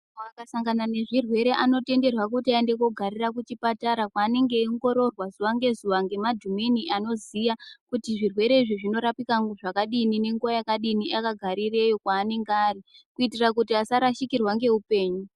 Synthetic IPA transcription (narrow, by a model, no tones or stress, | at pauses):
oakasaŋɡanane̞ʐirwe̞ɾe̞ʔano̞te̞nde̞rwakutiaende̞ko̞ɡʱaɾirakut͡ʃipataɾakwaːne̞ŋɡe̞iŋɡo̞ɾo̞rwazuʋaŋɡe̞zuʋaŋɡe̞madʱuminiʔano̞zijakutiʐirwe̞ɾe̞iʐiʐino̞ɾapikaŋɡuʐakaɗinine̞ŋɡuajakaɗiniʔakaɡʱaɾire̞jo̞kwaːne̞ŋɡaːri | kuitirakutiasaɾaʃikirwaŋɡe̞upe̞ːɲu